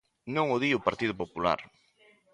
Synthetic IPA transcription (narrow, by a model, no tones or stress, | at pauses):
nõŋoðiopaɾt̪iðʊpopula̰ɾ